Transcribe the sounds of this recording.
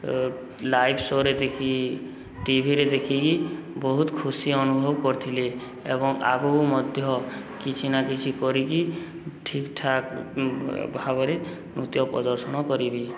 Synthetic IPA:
lajbʰsoɾed̪ekʰi | ʈibʱiɾed̪ekʰikibɔɦut̪kʰusiɔnubʱɔbkɔɾt̪ʰile | ḛbɔŋa̰ɡomɔd̪ʱjɔkit͡ʃʰinakit͡ʃʰikɔɾiki | ʈʰikʈʰak | bʱabɔɾe | nut̪jɔpɾɔ̰d̪ɔɾsɔñɔkɔɾibi

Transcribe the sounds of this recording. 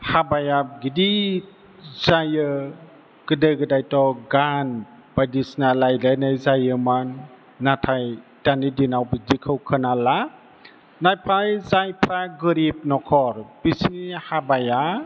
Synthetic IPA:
habajaɡidi | z̥ajɯ | ɡ̥ɯdɯjɡɯdajtɔɡan | b̥adisnalajlajnajzajɯmanː | atʰajd̥anidinawbidikʰɯwkʰɯnala | najpʰajzajpʰɾaɡɯɾip̚nɔkʰɔɾb̥isnihabaja

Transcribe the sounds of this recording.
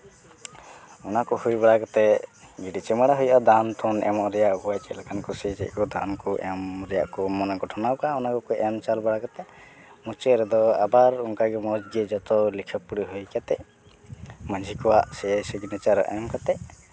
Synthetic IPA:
ɔnakɔhujbaɽakat̪ɛɡiɖit͡ʃɛmaɽaɦujʔad̪ant̪ʰɔnɛ̰mɔʔɾɛjaʔbuwajkɛlakankɔsɛd͡ʒɛ̰ʔkɔd̪ankɔʔɛmɾɛja̰ʔkɔmɔnɛɡɔʈʰɔnawkaɔnakɔkɔʔɛmt͡ʃalbaɽakat̪ɛ | mut͡ʃɛɾɛd̪ɔabaɾuŋkaɡɛmɔd͡ʒɡɛd͡ʒɔt̪ɔlikʰəpuɽiɦujkat̪ɛʔ | məd͡ʒʱikɔwaʔsɛɛsəɡinɛt͡ʃaɾə̰ʔɛmkat̪ɛ

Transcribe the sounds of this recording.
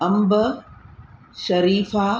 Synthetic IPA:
ɐmb | ʃɐɾiːfaː

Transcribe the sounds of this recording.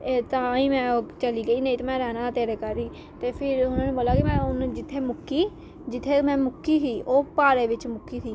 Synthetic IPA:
et̪ãːĩːmɛ̃ːoːt͡ʃəliːɡəiːnəĩːt̪ːmɛ̃ːɾɛːnaːt̪eːɾeːkaɾiː | t̪eːpʰɪɾʊnãːneːboːlaːkɪmɛ̃ːʊnd͡ʒɪt̪ʰːeːmʊkːiː | d͡ʒɪt̪ʰːeːmɛ̃ːmʊkːiːsiːʔoːpaːɾeːʋɪt͡ʃmʊkːiːsiː

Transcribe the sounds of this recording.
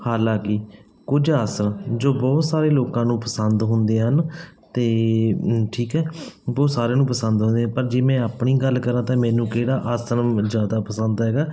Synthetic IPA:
haːlãːkɪ | kʊd͡ʒaːsəɾəmd͡ʒoːbɔːt̪saːɾeːloːkãːnũːpəsənd̪ɦʊnd̪eːɦənt̪eː | ʈʰiːkɛːbɔːt̪saːɾẽːnũːpəsənd̪ɦʊ̃nd̪eːãːpəɾd͡ʒeːmɛ̃ːaːpɳiːɡəlːkəɾãːt̪ãːmɛ̃ːnũːkeːɽaːʔaːsəɾəmd͡ʒjaːd̪aːpəsənd̪ɦɛːɡaː

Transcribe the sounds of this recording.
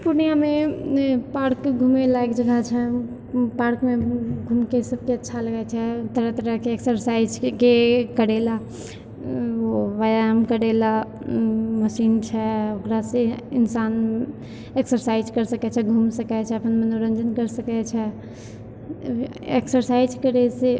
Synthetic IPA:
puɾnijame | paɾkɡʱumelaɡd͡ʒəɡʱat͡ʃʰɛ | paɾkmeɡʱumkesəb̚keətːʃʰaləɡɛt͡ʃʰɛt̪əɾət̪əɾəɦkeeksəɾsaid͡ʒkekəɾela | oʋajamkəɾela | məsint͡ʃʰɛokɾasẽinsan | eksəɾsaid͡ʒkəɾsəkɛt͡ʃʰɛɡʱumsəkɛt͡ʃʰɛəpənmənoɾə̃nd͡ʒənkəɾsəkɛt͡ʃʰɛ | eksəɾsaid͡ʒkəɾese

